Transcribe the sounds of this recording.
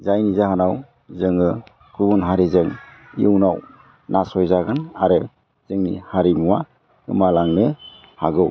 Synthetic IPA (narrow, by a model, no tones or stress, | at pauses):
zajnizahanaw | zɯŋɯ | kɾubɔnɦaɾizɯŋ | iɯwnaw | nʔasɔjzaɡanaɾɯ | z̥ɯŋnḭhaɾimuwa | ɡɯ̰malaŋnɯ | haɡɯw